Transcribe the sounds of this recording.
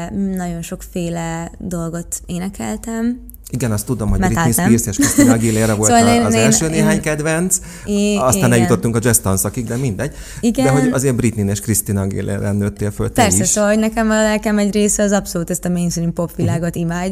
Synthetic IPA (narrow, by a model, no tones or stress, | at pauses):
nɒɟo̞nʃo̞kfeːlɛd̪o̞lɡo̞t̪eːnɛkɛlt̪ɛm | iɡɛnɒst̪ːud̪omhoɟmɾinispirseʃkistinɒɡilerːɛvoloːonzɛlʃøːneːɦaːɲkɛd̪ʋɛnt̪s | ɒsaːnɛljut̪ot̪ːuŋkɒd͡ʒɛst̪onsɒkiɡd̪ɛmind̪ɛɟ | iɡɛd̪ɛɦo̞ɟ̪ɒzeːbɾit̪nineːʃkrist̪inɒɡḭlḛrɛnːøːt̪ːeːlfølt̪pɛrssɛssoːɒɦo̞ɟnɛkɛmɒlɛlkɛmɛɟreːsɛɒzɒpso̞luːt̪ɛst̪ɒmeniŋst̪rimpo̞pʋilaːɡo̞t̪imaːɟ